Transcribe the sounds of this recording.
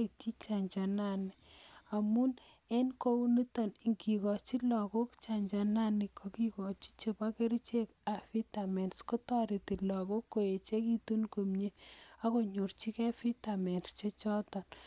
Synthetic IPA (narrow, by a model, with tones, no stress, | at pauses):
i˨ti˦t͡ʃa˨ɲd͡ʒa˨na˦˨ni˨a˨mu˦n | e˦nko˦u˦ni˦tɔ˨ni˨ŋki˨kɔ˨t͡ʃi˦lɔ˨ko˦kt͡ʃa˨ɲd͡ʒa˨na˦nɪ˨kʰɔ˨ki˦kɔ˨t͡ʃi̥˦t͡ʃe˨pa˦ke˦ɾi˦t͡ʃe˦ka˨fi˦ta˨mɛ˨nsko˦tɔ˦ɾi˨ti˨lɔ˨ko˦kːo˨e˨t͡ʃe˦ki˦tu˦nko˨mɲe˦a˦ko˨ɲo˨rt͡ʃi˦kɛ˦fi˦ta˨mɛ˨nst͡ʃe˦t͡ʃɔ˦tɔ˨n